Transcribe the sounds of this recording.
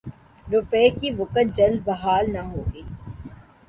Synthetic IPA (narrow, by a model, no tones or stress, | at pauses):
ɾʊpeːkiʋʊkət̪̚d͡ʒɐld̪̚bɐɦaːlnaɦoːɡəː